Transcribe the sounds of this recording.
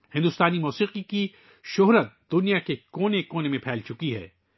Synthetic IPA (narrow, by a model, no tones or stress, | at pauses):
hɪ̃nd̪ʊst̪aːnimɔːsiːqiki | ʃʊɦɾət̪̚d̪ʊnijakekoːnekoːnemẽpʰɛːlt͡ʃʊkiɦɛ̰ː